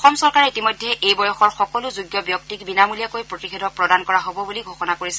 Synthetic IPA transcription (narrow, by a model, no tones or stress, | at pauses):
ɔxɔmsɔɹkaɹɛitimɔjdʱːɛʔejbɔjɔxɔɹxɔkɔlʊzuɡjɔbjɔk̚tikbinamulijakojpɹotikʰedʱɔpɹɔdankɔɹaɦobɔbuliɡʱoxɔnakoɹisɛ̥